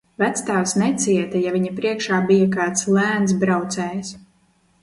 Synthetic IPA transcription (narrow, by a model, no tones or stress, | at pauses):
væt̪st̪awsnɛt̪sʲiɛt̪ɛjavʲiɲapɾiɛkʃaːbijakaːt̪slæːnt̪s̬bɾawt̪sɛːjs